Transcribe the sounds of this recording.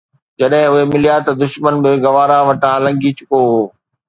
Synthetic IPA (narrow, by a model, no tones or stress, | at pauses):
d͡ʑɐɗɦɪ̃ʊɦemɪlijat̪ɐd̪ʊʃmənbɪɡɐʋaːɾaʋɐʈʰãlɐ̃ŋɡit͡ɕʊkoɦoː